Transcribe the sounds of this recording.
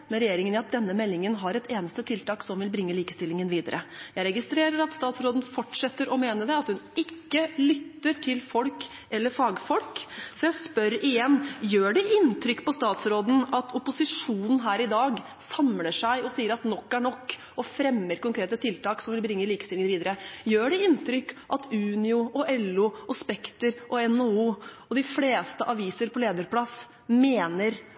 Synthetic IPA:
mɛnɾɛjeːɾɪŋənɪɑt̪̚d̪ɛnːəmɛlːɪŋənɦɑɾɛt̪eːnəst̪ət̪ʰɪlt̪ɑːksɔmʋɪlbɾɪŋːəliːkəst̪ɪlːɪŋənʋiːd̪əɾʔəjæɪɾɛɡɪst̪ɾeːɾəɾɑt̪st̪ɑːt̪sɾoːd̪n̩fɔʈʂɛt̪ːəɾʔɔmeːnəɖɛɑt̪hʉnɪkːəlʏt̪ːəʈʰɪlfɔlk | ɛlːəɾfɑːɡfɔlksɔjæɪspœɾɪjɛnːjøːɖɛʔɪnt̪ʰɾʏkːpʰɔst̪ɑːt̪sɾoːd̪n̩ɑt̪ʰʊpʊsɪʂuːnən̩ɦæːɾɪd̪ɑːɡ | sɑmləʂæɪʔɔsiːəɾɑt̪nɔkːæɳɔkː | ɔfɾɛmːəɾkʊŋkɾeːt̪ət̪ʰɪlt̪ɑːksɔmʋɪlbɾɪŋːəliːkəst̪ɪlŋənʋiːd̪əɾəjøːɖɛɪnt̪ʰɾʏkːʔɑt̪ʰʉːnɪʊʔɔʔɛlʊɔspɛkt̪əɾʔɔɛnouːɔd̪ɪfleːst̪əʔɑʋiːsəɾpʰɔleːd̪əɾpʰlɑs | meːnəɾ

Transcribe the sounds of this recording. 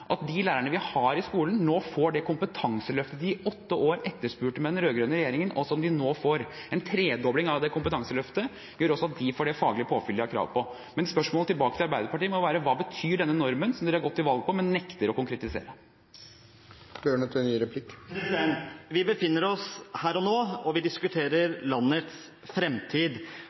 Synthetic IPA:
ʔɑt̪̚d̪ɪlæːɾəɳəʋɪhɑɾɪskuːlənnoːfoːɖɛkʰʊmpət̪ʰɑŋsəlœft̪əd̪ɪɔt̪ːəʔoːɾɛt̪ːəʂpʉːʈəmɛd̪ɛnɾøːɡɾøːnəɾɛjeːɾɪŋənʔɔsɔɔmd̪ɪnoːfoːɾɛnt̪ʰɾeːd̪ɔblɪŋɑʋd̪ɛkʰʊmpət̪ʰɑŋsəlœft̪ə | jøːɾɔsːɔɑt̪̚d̪ɪfoːɖɛfɑːɡlɪpʰoːfʏld̪ɑkʰɾɑ̰ːʋpʰɔ | mɛnspœʂmɔːlət̪ʰɪlbɑːkət̪ɪlɑɾbæɪd̪əɾpɑʈiːəmɔjʋæːɾəʋɑːbət̪ʰyːɖɛnːənɔɾmənsɔmd̪ɛɾæɾɡɔt̪ːɪʋɑlɡpʰɔmɛnːɛkt̪əɾɔkʊŋkɾɛt̪ɪsḛːɾə | b̥øːɳət̪ɛnnyːɾɛpʰlɪkːsd̪ɛnʋɪbəfɪnːəɾɔshæːɾɔnoːɔʋɪd̪ɪskʉt̪ʰeːɾəɾlɑnːət̪s | fɾɛmt̪ʰiːd̪

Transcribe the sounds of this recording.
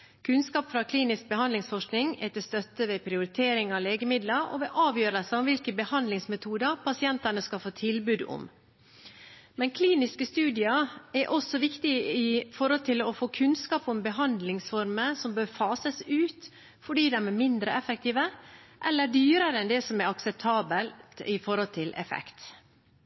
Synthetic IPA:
kʰʉnskɑːpfɾɑkʰliːnɪsk̚bəhɑnd̪lɪŋsfɔʂknɪŋɛt̪ɛst̪œt̪ːəʋɛpʰɾɪʊɾɪt̪ʰeːɾɪŋɑʋleːɡəmɪd̪ləɾɔ̰ʋɛːʔɑːʋjøːɾəlsəɔmʋɪlkəbəhɑnd̪lɪŋsmɛt̪ʰuːd̪əpʰɑsɪɛnt̪ɑnəskɑfoːt̪ʰɪlbʉːd̪ʊ̰m | mɛnkʰliːnɪskəst̪ʉːd̪ɪɑɛɾʔɔsɔʋɪkt̪ɪɪfɔɾhɔlt̪ʰɪlɔfoːkʰʉnskɑːpʊmbəɦɑnd̪lɪŋsfɔɾməsɔmbøːɾfɑːsəsʉːt̪ | fɔɖiːd̪ɛmɛmɪnd̪ɾəɛfɛk̚t̪iːʋəʔɛlːəɖyːɾəɾəɛnd̪ɛsɔmɛɾɑksɛp̚t̪ʰɑːbəlt̪ɪfɔɾɔlt̪ʰɪlʔɛ̰fɛ̰kt̪

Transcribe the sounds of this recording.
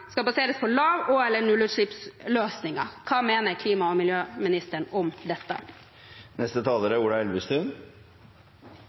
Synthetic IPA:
skɑlbɑseːɾəspʰɔlɑːʋɔɛlːəɳʉlʉʂɭɪpsløːsnɪŋɑ̰kʰɑːmeːnəɾkʰliːmɑɔmɪljøːmɪnɪst̪əɳɔmd̪ɛt̪ːə̰ | nɛst̪ət̪ʰɑːləɾəuːɽɑɛlʋɪst̪ʉn

